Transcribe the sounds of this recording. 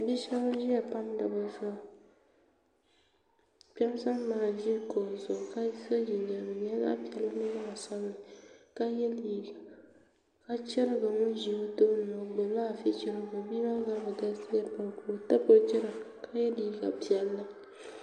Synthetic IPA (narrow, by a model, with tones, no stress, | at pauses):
a˨bi˦ʃɛ˦ba˦ʒi˦a˨pa˦mda˨ba˨zɔ˦˨ | pɛ˦m˦sa˦m˦maː˨ʒi˦ko˨zʊ˨ka˦sa˦d͡ʒi˨ɲa˨m˨ɲɛ˦ŋa̰˦pi˨ɛ˨la˦nɨ˦ma˦a˨sa˦m˦nɨ˨ka˦jɛ˦liː˦ɡa˨ | ka˦t͡ʃɛ˦ɾɨ˦ɡa˨ŋʊ˦n˦ʒi˨o˦to˦n˨a˨ɡ͡bo˨la˦˨fɪ˦t͡ʃɛ˦ɾɨ˦ɡa˨bi˦ma˦ɡa˦bɨ˨da˦si˦a˦pa˨ku˨lo˨ta˦po˦t͡ʃɛ˦ɾa˨ka˦jɛ˦liː˦ɡa˨pi˨ɛ˨lːa˦